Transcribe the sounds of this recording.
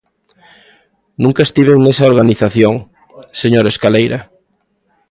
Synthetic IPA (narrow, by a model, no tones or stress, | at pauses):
nũŋkɐest̪iβ̞eŋnesaoɾɣaniθaθjoŋ | seɲoɾeskalejɾɐ